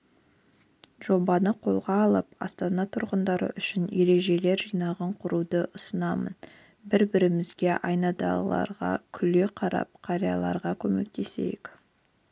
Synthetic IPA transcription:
ʒ̥o̞bɑnəqʰo̞̰lˠʁɑːlˠəpɑ̰st̪ɑnɑt̪ʰʊɾʁənd̪ɑɾə̰ʔʏʃɪnje̞ɾe̞ʒe̞le̞ɾʒijnɑʁɑɴqʰʊɾud̪əʔʊsənɑmən | bɪɾbɪɾɪmɪzɡʲe̞ʔɑjnɑd̪ɑ̰ɑ̰ɾʁɑ̰kʲʰʏleqʰɑɾɑ̰p̚qʰɑɾijɑlˠɑ̰ɾʁɑkʲʰɵme̞̰k̚t̪e̞se̞̰jɪk

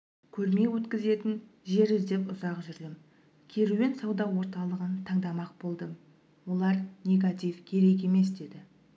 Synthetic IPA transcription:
kʲʰɵɾme̞wɵt̪kʲɪze̞t̪ɪnʒe̞ɾɪzd̪e̞pʊzɑqʒʏɾd̪ɪm | kʲʰe̞ɾume̞nsɑwd̪ɑwo̞ɾt̪ɑlˠəʁənt̪ʰɑɴd̪ɑmɑq̚bo̞lˠd̪əm | wo̞lˠɑɾnʲe̞ɡat̪ʲijfkʲʰe̞ɾe̞k̬e̞me̞sd̪e̞d̪ɪ

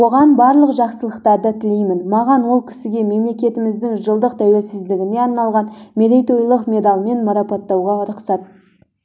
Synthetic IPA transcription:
wo̞ʁɑnbɑɾlˠəqʒɑqsəlˠəqt̪ɑɾd̪ət̪ʰɪle̞jmɪnmɑʁɑnwo̞lˠkʲʰɪ̥sɪɡʲe̞me̞mle̞kʲe̞t̪ɪmɪzd̪ɪŋʒəlˠd̪əq̚t̪ʰæwe̞lsɪzd̪ɪɡʲɪne̞ɑɾnɑlˠʁɑnmeɾejt̪ojlˠəqmʲe̞d̪ɑlˠme̞nmɑɾɑpɑt̪ːɑwʁɑʊɾʊqsɑt̪̚

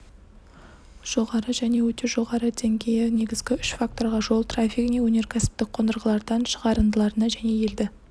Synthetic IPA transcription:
ʒ̥o̞ʁɑɾəʒæne̞wɵt̪e̞ʒo̞ʁɑɾəd̪ʰe̞ŋɡʲe̞jɪne̞ɡʲɪzɡʲɪʏʃfak̚t̪o̞ɾʁɑʒo̞lˠt̪rafʲikine̞wɵne̞ɾkʲʰæsɪ̥p̚t̪ɪk̚qʰo̞nd̪əɾʁəlˠɑɾd̪ɑnʃəʁɑɾənd̪əlˠɑɾənɑʒæne̞je̞ld̪ɪ

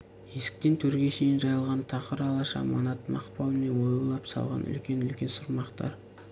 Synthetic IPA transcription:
je̞sɪ̥k̚t̪e̞nt̪ʰɵɾɡʲe̞ʃe̞jɪnʒɑjəlˠʁɑnt̪ʰɑqəɾɑlˠɑʃɑ̰mɑ̰nɑt̪mɑ̰qpɑlˠmenwojəlˠɑpsɑ̰lˠʁɑ̰nʔʏ̰lkʲe̞nʏlkʲe̞nsʊɾmɑqt̪ɑ̰ɾ

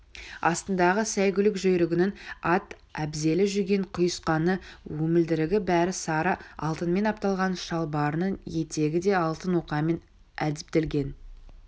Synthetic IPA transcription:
ɑst̪ənd̪ɑʁəsæjɡʲʏlɪkʒɵjɾɪɡʲɪnɪŋɑt̪ | æbze̞lɪʒʏɾɡʲe̞ɴqʰʊjəsqɑnəwɵmɪld̪ɪɾɪɡʲɪbæɾɪsɑɾəɑ̰lˠt̪ənme̞nɑp̚t̪ɑlˠʁɑnʃɑlˠbɑɾnəɴje̞t̪e̞ɡʲɪd̪e̞ɑlˠt̪ənwo̞qɑme̞n | æ̰d̪ɪp̚t̪e̞lɡʲe̞n

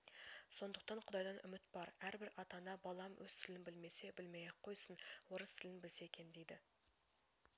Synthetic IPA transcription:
so̞nd̪əq̚t̪ɑɴqʰʊd̪ɑjd̪ɑnʏ̰mɪt̪bɑɾæɾbɪɾɑt̪ɑnɑbɑlˠɑmwɵz̥t̪ʰɪlɪnbɪlme̞se̞bɪlmejeqʰːo̞jsənwoɾəst̪ʰɪlɪnbɪlse̞kʲʰe̞nd̪ejd̪ɪ

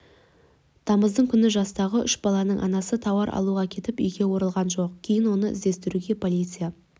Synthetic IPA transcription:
d̪̥ʰɑməzd̪əɴkʲʰʏnɪʒɑst̪ɑʁəʔʏʃbɑlˠɑnəɴʔɑ̰nɑsət̪ʰɑwɑɾʔɑ̰lˠuʁɑkʲʰe̞t̪ɪpʏjɡʲe̞wo̞ɾəlˠʁɑnʒo̞qkʲʰe̞jɪnwo̞nəʔɪ̰zd̪e̞st̪ɪɾuɡʲe̞pʰo̞lʲijt̪sɨja

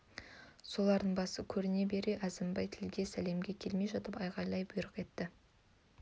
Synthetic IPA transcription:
so̞lˠɑɾd̪əɴbɑsəkʲʰɵɾɪne̞be̞ɾeʔæzɪmbɑjt̪ʰɪlɡʲe̞sæle̞mɡʲe̞kʲʰe̞lme̞jʒɑt̪əpɑjʁɑjlˠɑjbʊjɾəqe̞t̪ːɪ

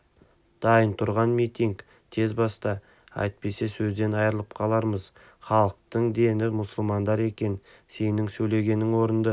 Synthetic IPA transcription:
d̪̥ɑjənt̪ʰʊɾʁɑnmijt̪iŋk | t̪ʰe̞zbɑst̪ɑ | ɑ̰jt̪̚pe̞se̞sɵzd̪e̞nɑjəɾəlˠəp̚qʰɑlˠɑɾməz | χɑlˠəq̚t̪əɴd̪e̞nɪmʊsəlˠmɑnd̪ɑɾe̞kʲe̞n | se̞nɪŋsɵjle̞ɡʲe̞nːɪŋwo̞ɾənd̪ə

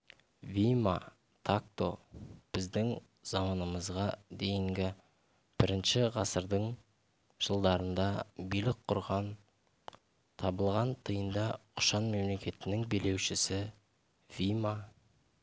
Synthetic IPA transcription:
vʲijma̰ | t̪ʰak̚t̪o̞b̥ɪzd̪ɪŋ | z̥ɑmɑnəməzʁɑd̪e̞jɪŋɡʲɪ | b̥ɪɾɪnʃɪʁɑsəɾd̪əɴ | ʒ̥əlˠd̪ɑɾənd̪ɑbijlɪk̚qʰʊɾʁɑn | t̪ʰɑbəlˠʁɑnt̪ʰəjənd̪ɑqʰʊ̥ʃɑnme̞mle̞kʲe̞t̪ɪnɪŋbe̞le̞wʃɪsɪ | vijma

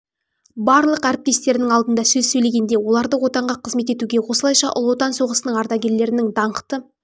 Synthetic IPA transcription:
bɑɾlˠəqæɾɪp̚t̪e̞st̪e̞ɾɪnɪŋɑlˠd̪ənd̪ɑsɵzsɵjle̞ɡʲe̞nd̪e̞wo̞lˠɑɾd̪əwo̞t̪ɑɴʁɑqʰəzme̞t̪e̞t̪uɡʲe̞wo̞səlˠɑjʃɑʔʊ̰lˠwo̞t̪ɑnso̞ʁəsənəɴɑɾt̪ɑɡʲe̞ɾle̞ɾɪnɪŋd̪ɑɴəqt̪ə

